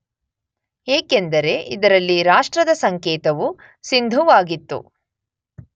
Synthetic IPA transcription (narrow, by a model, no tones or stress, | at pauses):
eːkend̪ɐɾe̞ʔid̪ɐɾɐlːiɾaːʂʈɾɐd̪ɐsɐŋkɛːt̪ɐʋu | sind̪ʱuʋaːɡit̪ːṵ